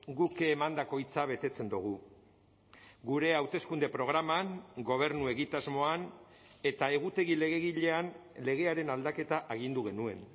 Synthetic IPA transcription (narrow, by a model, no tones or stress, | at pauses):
ɡukemand̪ako̞jt͡saβe̞t̪e̞t͡se̞nd̪uɣ̞u | ɡuɾe̞awt̪e̞skund̪e̞pɾo̞ɣ̞ɾamaŋɡo̞β̞e̞ɾnue̞ɣit̪azmo̞an | e̞t̪ae̞ɣut̪e̞ɣile̞ɣe̞ɣiʎe̞anle̞ɣ̞e̞aɾe̞nald̪ake̞t̪aʔaɣind̪uɣe̞nue̞̰n